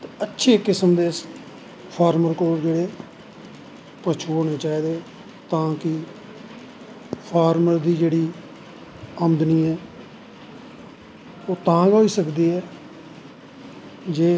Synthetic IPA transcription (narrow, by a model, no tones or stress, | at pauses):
t̪eətːʃʰeːkːɪsəmd̪eː | pʰaːɾməɾkoːɾd͡ʒeːɽeː | pət͡ʃʰuːɦoːneːt͡ʃaːiːd̪eː | t̪ãːkɪ | pʰaːɾməɾd̪iːd͡ʒeːɽiː | əmd̪niːɛː | oːt̪ãːɡoːiːsəkd̪iːɛː | d͡ʒeː